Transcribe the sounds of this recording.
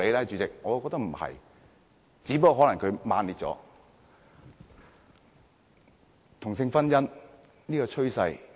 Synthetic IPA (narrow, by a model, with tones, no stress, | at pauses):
e˨˧jlaː˥t͡ʃyː˨˧t͡sɪ˨k̚ŋɔː˨˧˨wkɔ˧k̚t̪ɐ˥k̚m̩˨˩hɐ̰˨j | t͡siː˨˥pɐ˥kːhɔː˨˥lɐ˨˩ŋkʰɵ˨˧maː˨˧nliː˨˧t̚t͡sɔ̰ː˨˥ | t̪ʰʊ˨˩ŋs̬ɪ˧ŋfɐ˥njɐ˥n | niː˥kɔː˧t͡ʃʰɵ˥ɥsɐ˧j